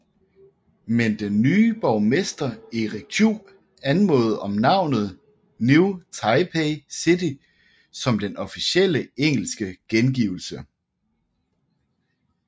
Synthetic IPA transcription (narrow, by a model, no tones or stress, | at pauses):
mend̥enːyːb̥ɒʊmesd̥ɐeʁeɡ̥̚t͡sʰu | ænmɔːð̩ˠɒ̽mnɑ̈ʊ̰nð̞̩ˠ | nuʊt͡sʰɑ̈ɪpʰeɪsid̥i | sɒ̽md̥enɒ̽fiɕel̰əeŋ̰l̩sɡ̥əɡ̥enɡ̥iʊl̩sə